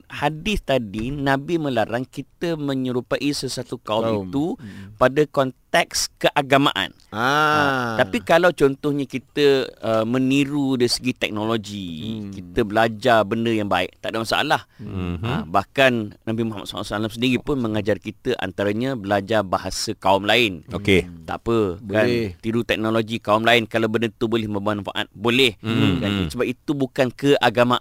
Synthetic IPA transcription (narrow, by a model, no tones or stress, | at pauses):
hadɪθt̪adinãbimə̃laɾaŋkit̪əmə̃ɲəɾupaʔisəsat̪ukaumit̪upadakɔnt̪ɛkskəʔaɡama̰ʔa̰n | t̪aptikalawt͡ʃɔnt̪ʊhɲãkit̪əəmə̃niɾudaɾisəɡit̪ɛk̚noloɡikit̪əbəlad͡ʒabəndəjaŋba̰ɪ̰ʔ̚t̪a̰ʔdamasa̰ʔa̰lahə̰bahkannãmpimuɦama̰t̪ssalamsəndiɾipʊnmə̃ŋad͡ʒarkit̪əʔa̰nt̪aɾaɲãbəlad͡ʒabaɦasəkaumlaɪnoket̪a̰ʔpəkant̪iɾut̪ɛk̚noloɡikaumlaɪnkalawbəndət̪ubolɛhməmanfa̰ʔa̰t̪̚bolɛhkansəbap̚it̪ubukankəʔaɡamã